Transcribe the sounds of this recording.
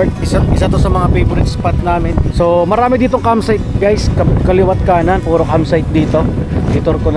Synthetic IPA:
t̪̚ɪsaʔɪsat̪osɐmɐŋapejbɾɪd͡ʒspat̪̚naːmɪnsomɐɾaːmɪd̪iːt̪oŋkamsajt̪̚ɡajskɐkɐlɪwɐt̪̚kaːnɐnpuːɾokamsajt̪̚d̪iːt̪o̞ɪt̪oɾkon

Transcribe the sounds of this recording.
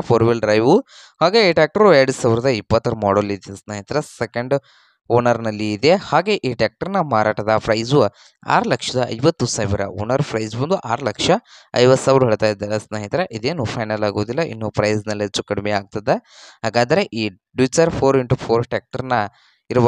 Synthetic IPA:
pʰoːɾʋelɖɾɐjʋu | haːɡe̞ːiːʈaːk̚ʈɐɾueɾɽusaːʋɾɐd̪ɐipːɐt̪ːɐɾumɔːɽolid̪esnaːɦit̪ɾɐsekɐɳɖ | oːnɐɾnɐlːiːd̪ehaːɡe̞ʔiːʈaːk̚ʈɐɾnɐmaːɾaːʈɐd̪ɐpʰɾɐjzu | a̰ːɾɐlɐkʂɐd̪ɐɐ̰jʋɐt̪ːusaːʋiɾɐ̰o̰ːnɐɾpʰɾɐjzbɐnd̪uʔa̰ːɾɐlɐkʂɐɐ̰jʋɐt̪saːʋɾuɦeːɭt̪aːjid̪alɐsnaːɦit̪ɾɐʔid̪eːnupʰɐjnɐlaːɡoːd̪ilːɐʔḭnːupɾɐjznɐlːet͡ʃːukɐɽmeaːɡ̚t̪ɐd̪ːe | ɦaːɡaːd̪ɐɾeʔiː | ɖit͡ʃɐɾpʰoːɾiɳʈupʰoːɾʈaːk̚ʈɐɾnɐ | iɾɐʋ

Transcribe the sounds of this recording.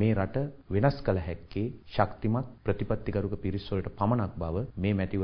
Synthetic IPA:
meːɾaʈəʋenaskələɦɛkːeːʃakt̪imat̪̚pɾət̪ipat̪ːiɡɐɾukəpiɾisʋoləʈəpamɐnak̚baʋəmeːmæʈiʋ

